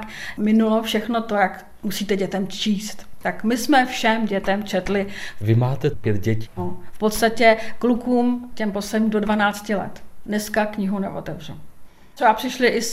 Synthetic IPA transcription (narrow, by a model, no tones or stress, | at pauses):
kmɪnulofʃɛxno̞t̪o̞jak | musiːt̪ɛɟɛt̪ɛmt͡ʃiːst̪t̪akmɪsmɛfʃɛmɟɛt̪ɛmt͡ʃɛt̪lɪvɪmaːt̪ɛpjɛt̪ɟɛci̥ofpot̪st̪acɛklukuːmcɛmpo̞slɛdɲiːmdo̞dvanaːt͡scɪlɛ̰t̪nɛskakɲɪɦunɛ̰ʔo̰t̪ɛvr̝u | oapr̝̥ɪʃlɪʔɪs